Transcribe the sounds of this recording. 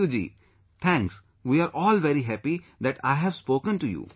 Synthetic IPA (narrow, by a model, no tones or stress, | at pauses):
ud͡ʒḭː | t̪ʰɛ̃ŋks | ʋiːaːɾʔɔːlʋɛɾiɦæpid̪æʈa̰ɪɦɛʋspoːkə̃nʈujṵː